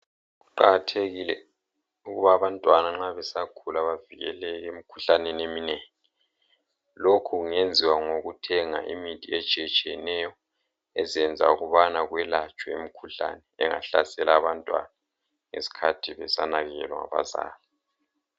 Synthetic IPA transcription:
ɣuǃa̰ɣatʰeɣilɛ̰ | uɣuβaːβantʼwanaŋ͡ǁaβɛsakʰulaβaviɣɛlɛɣeemikʰu̥ɬanɛnemineːŋɛ | lokʰuɣuŋend͡zʱiwaŋoɣutʰɛŋa̰ʔimitʼiɛt͡ʃʼɛt͡ʃʼiɛnɛjɔ | ɛzɛnd͡zʱa̰uɣuβanaɣwɛlat͡ʃʼwɛemikʰuɬa̰nɛɛ̰ŋa̰ɬasɛlaːβantʼwa̰na | ŋḛsi̥kʰatʰiβɛsanaɣɛ̰lɔa̰βa̰za̰ːli

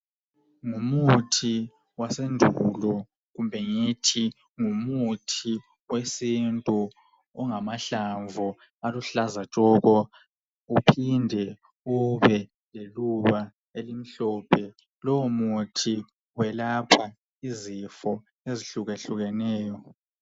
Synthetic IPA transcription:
ŋumutʰi | wasendʱulɔ | ɣumbʱɛŋitʰi | ŋumutʰi | wesintʼu | ɔŋamaɬaɱvu | aluɬazat͡ʃʼɔɣɔ | upʰindʱɛ | uβɛ | leluβa | elim̩ɬɔːpʰɛ | lɔwumutʰi | wɛlapʰa | izifɔ | eziɬuɣeɬuɣɛnɛːjɔ

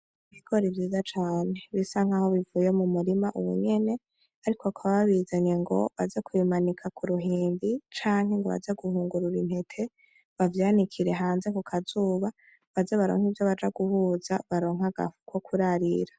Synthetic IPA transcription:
iβiɡ̥o̞ɾivjiːzat͡ʃaːne̞βisaŋ̥aho̞βivuːjemumuɾimaʔuβṵɲe̞ne̞ | aɾikoakʰaβaβaβizaɲe̞ŋɡo̞̰βazekuimanikʰakʰuɾuɦiːnbit͡ʃaːŋ̥he̞ŋɡo̞βa̰d͡ʒaɡuhuːŋɡuɾuɾinhe̞tʰe̞ | βavjaːnikʰiɾe̞ɦaːnze̞kukʰazuːβa | βazeβaɾo̰ŋ̥hivjo̞βad͡ʒaɡuhuːzaβaɾo̞ːŋ̥aɡ̥a̰fu̥kwo̞kʰuɾaɾḭɾa

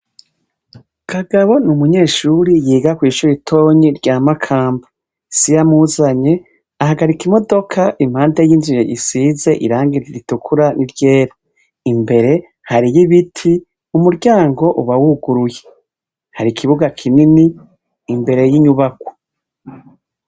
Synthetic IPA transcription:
kʰaɡaβo̞numuɲe̞ːʃuɾijiːɡakwiːʃuɾitʰo̞ːɲiɾɟaːmakʰaːmba | sijamuzaɲe̞ | ahaɡaɾikimo̞do̞kʰaʔim̥haːndejiːnzijeʔḭsiːze̞ʔḭɾaːŋɡiɾiɾitukʰuɾaniɾɟe̞ːɾa | imbe̞ɾe̞ | haɾijiβitʰi | umuɾɟaːŋɡo̞ʔuβawuɡuɾuje̞̥ | haɾikʰiβuɡakʰininiː | mbe̞ɾe̞jiɲuβakwo̥

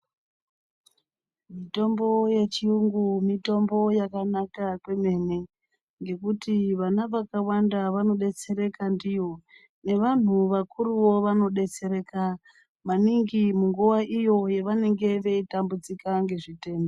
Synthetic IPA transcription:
mito̞mbo̞je̞t͡ʃiuŋɡumito̞mbo̞jakanakakwe̞me̞ne̞ | ŋɡe̞kutiʋanaʋakawandaʋano̞ɗe̞t͡se̞ɾe̞kandijo̞ | ne̞ʋan̤uʋakuruwo̞ʋano̞ɗe̞t͡se̞ɾe̞ka | maniŋɡimuŋɡuʋaʔijo̞je̞ʋane̞ŋɡe̞ʋe̞itambud͡zikaŋɡe̞ʐite̞ːmbo

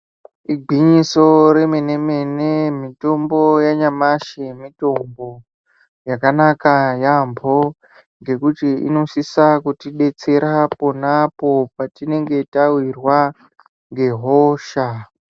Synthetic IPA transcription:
iɡʱiɲiso̞ɾe̞mene̞me̞nemito̞mbo̞jaɲamaʃemito̞mbo | jakanakajambʱo̞ | ŋɡe̞kutiḭno̞sisakutiɗe̞t͡se̞ɾapo̞napo̞patine̞ŋɡe̞tawirwa | ŋɡe̞ɦoːʃa

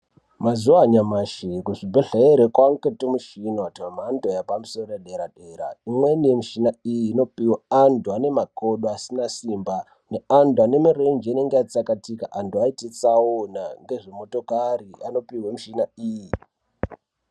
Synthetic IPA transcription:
mazuwaɲamaʃikuʐibʱeɮeeɾekwaŋketomuʃinoatiwamandojapamusorojaɗeɾaɗeɾa̰imwenijemuʃinaijiːno̞piwaanduane̞makoɗoasinasiːmba | neanduane̞mirend͡ʒiineŋɡeat͡sakatikaʔanduaitit͡sawonaŋɡe̞ʐemo̞to̞kariano̞piwemuʃinaiːji

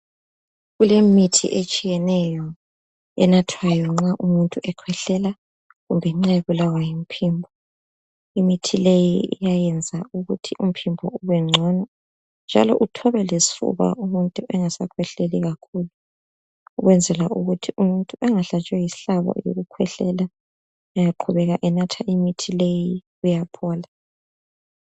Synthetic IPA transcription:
ɣulemitʰḭʔet͡ʃʼijɛnɛjɔ | ɛnatʰwajɔŋ͡ǁaʔumuntʼuʔɛkʰwɛɬɛla | ɣumbʱɛŋ͡ǁajeɣulawajim̩pʰiːmbʱɔ | imitʰilejiḭjajɛnd͡zʱauɣutʰiʔum̩pʰimbʱɔuβɛŋ͡ǀʱɔnɔ | nd͡ʒʱa̰lɔ̰ʔutʰɔβɛlesi̥fṵβa̰ʔumuntʼuʔɛŋasakʰwɛɬɛliɣakʰuːlu | uɣwɛnd͡zʱɛlaʔuɣutʰiumuntʼuɛŋaɬat͡ʃʼwɛjiɬaβɔ̰jo̰ɣukʰwɛɬɛla | ajaǃʰuβɛɣaʔɛnatʰaʔimitʰileji | ujapʰɔːla

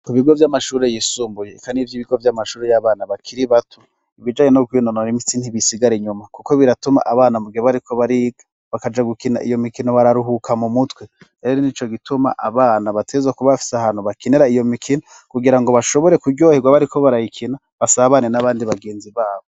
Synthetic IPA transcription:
kuβiɡo̞vjamaʃuːɾe̞jiːsuːmbuje̞kanivjiːβiɡo̞vjamaʃuːɾejaβaːnaβakʰiɾiβatʰu | iβid͡ʒaːɲenokwinononimit͡sinhiβisiɡaɾeɲumakukoβiɾatuma̰ʔaβaːnamuɡihoβaɾikʰo̞βaɾia | βakad͡ʒaɡukina̰ʔḭjomikino̞βaɾaɾuɦukʰamumutwe | ɾe̞ɾonit͡ʃo̞ɡituma̰ʔa̰βaːnaβatʰezakuβafi̥sahaːn̥huβakineɾaijo̞mikʰino | kuɡiɾaŋɡo̞βaʃo̞βo̞ɾe̞kuɟo̞ːhiɡwaβaɾikʰo̞βaɾajikʰina | βasaβanenaβaːndiβaɡe̞ːnziβaːβo

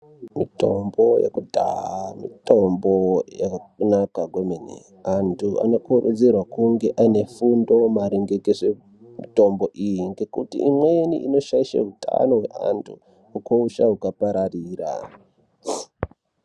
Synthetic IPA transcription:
mito̞mbo̞jḛkudʱa̰ɦamḭtombojakunakaɡwomenḛ | antʰua̰no̞kurṵd͡zerwakuŋɡe̞ʔaine̞fundo̞maɾiŋɡekeʂe | mito̞mbo̞ʔijiŋɡe̞kutḭimweniʔino̞ʃaiʃa̰ɦutʰa̰no̞ɦwe̞̰ʔa̰ntʰṵ | ukouʃaɦukapaɾariːra̰

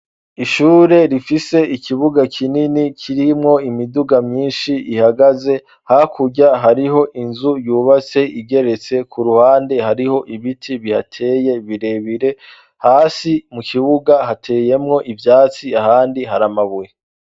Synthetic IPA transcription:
iʃuːɾe̞ɾifise̞ikʰiβuɡakʰininikʰiɾimŋo̞imiduɡamɲiːnʃiihaɡaze̞ | hakuɟaɦaɾiɦo̞ʔinzujuβat͡se̞ʔiɡe̞ɾe̞t͡se̞kʰuɾuhaːnde̞ɦaɾiho̞ʔiβitʰiβihatʰe̞ːje̞βiɾe̞βiɾe̞ | haːsimukʰiβuɡaɦatʰe̞ːje̞mŋo̞ʔivjaːt͡siahaːndiɦaɾamaβuje

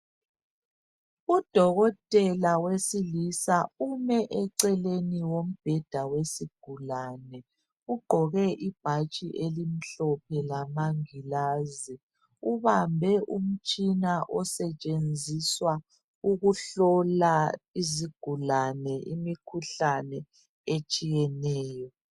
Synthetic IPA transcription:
ud̥ʱɔɣɔtʼɛlawesilisaumɛʔɛǀɛleniwom̩b̥ʱɛd̥ʱawesiɡ̥ʱulanɛ | uɡ͡ǃʱɔɣɛʔib̥ʱat͡ʃʼiʔelim̩ɬɔpʰɛlamaŋilazi | uβambʱɛʔum̩t͡ʃʼinaʔɔsɛt͡ʃʼend͡zʱiswa | uɣuɬɔlaiziɡ̥ʱulanɛʔimikʰuɬanɛ | et͡ʃʼijɛnɛːjɔ

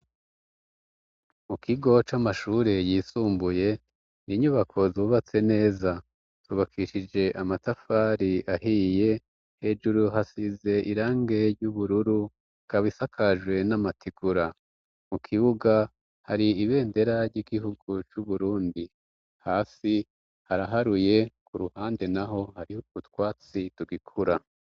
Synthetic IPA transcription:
mukʰiɡo̞t͡ʃamaʃuːɾe̞jiːsuːmbuje̞ | niɲuβakʰo̞zuːβat͡se̞ne̞ːza | tuːβakʰiʃid͡ʒe̞ʔamatafaːɾiʔahije̞ | he̞d͡ʒuɾuɦasize̞ʔiɾaːŋɡe̞ɾɟuβuɾuɾu | kaβisakʰaʒwe̞namatʰiɡ̥uɾa | mukʰiβuɡa | haɾiiβe̞ːnde̞ɾaɾɟiːɡiɦuɡut͡ʃuβuɾuːndi | haːsi | haɾaɦaɾuje̞kʰuɾuhaːnde̞naɦo̞haɾiukutwaːt͡situɡikʰuɾa

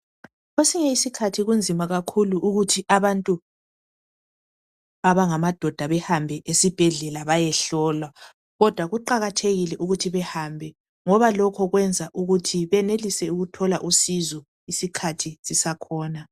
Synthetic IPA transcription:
ɣesiŋɛisikʰatʰiɣund͡zʱimaɣakʰuluʔːɣutʰiʔaβantʼu | aβaŋamad̥ʱɔd̥ʱaβɛhambʱɛʔesib̥ʱɛɮɛlaβajɛɬɔːlwa | ɣɔd̥ʱwaɣuǃaɣatʰeɣilɛʔuɣutʰiβɛhambʱɛ | ŋɔβalɔkʰɔɣwɛnd͡zʱaʔuɣutʰiβɛnelisɛuɣutʰɔlaʔusizɔ | isikʰatʰisisakʰɔːna

